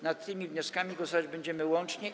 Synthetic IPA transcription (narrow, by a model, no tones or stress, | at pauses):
nat̪ːɘmʲivɲɔskamʲiɡwɔsɔvad͡ʑbɛɲd͡ʑɛmɘwɔnt͡ʂɲɛ